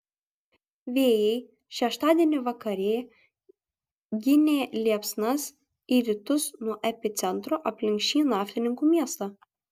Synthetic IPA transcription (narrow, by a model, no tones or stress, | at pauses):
ʋʲeːjɛɪ | ʃʲɛʃt̪ɑːd̪ʲiɛnʲɪʋɐkɐɾʲeː | ɡʲɪnʲeːlʲiɛpsnɐs | iːɾʲɪt̪ʊsnuɔʔɛpʲɪt̪sʲɛnt̪ɾoʔɐpʲlʲɪŋʲkʲʃʲt͡ʃʲiːnɑːfʲlʲɪnʲɪŋkuːmʲiɛst̪ɑː